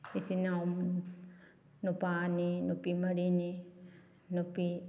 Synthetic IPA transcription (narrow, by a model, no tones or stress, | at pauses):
isinam | nupaninupimɐɽini | nupi